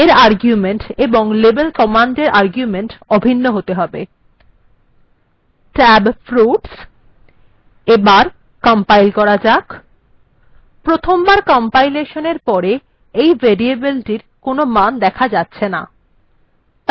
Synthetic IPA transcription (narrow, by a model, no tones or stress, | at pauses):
eɾaɾɡjumeɳʈeboŋlebelkɔmaɳɖeɾʔaɾɡjumeɳʈɔbʱinːoɦot̪eɦɔbe | ʈɛbfɾuʈs | ebaɾ | kɔmpajlkɔɾad͡ʑak | pɾot̪ʰombaɾkɔmpajleʃoneɾpɔɾe | ejveɾiebelʈiɾ | konomand̪ɛkʰad͡ʑatːɕʰena̰